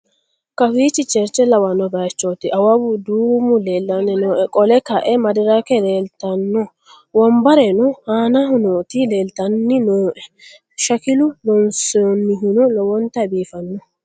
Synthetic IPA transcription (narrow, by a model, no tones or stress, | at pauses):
kɐfiːt͡ʃːɪt͡ʃɛɾt͡ʃːɛlɐwɐnːɔbɐt͡ʃːoːt̪ɪʔɐwɐbʊd̪uːmʊleːlːɐnɪnoːʔɛkʼɔlɛkɐʔɛmɐd̪ɪɾakɛleːlt̪ɐnːɔ | wɔmbɐɾɛnʊhaːnɐhʊnot̪ɪle̞ːlt̪ɐnːɪnoːʔɛ | ʃɐkɪlʊlɔnsɔnːɪɦɪnɔlɔwɔnt̪ɐbiːfɐnːɔ